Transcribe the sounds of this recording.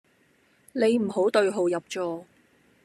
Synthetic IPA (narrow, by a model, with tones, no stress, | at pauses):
ne˨˧jm̩˨˩ɦo˨˥wt̪ɵ˧ɥɦo˨wjɐ˨p̚t͡ʃɔː˧